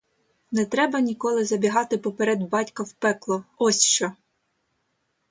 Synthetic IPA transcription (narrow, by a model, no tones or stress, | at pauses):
nɛt̪ɾɛbɐnʲikɔlˠɪzɐbʲiɦɑt̪ɪpɔpeɾɛd̪bɑtʲkɐwpɛklˠɔɔsʲʃt͡ʃɔ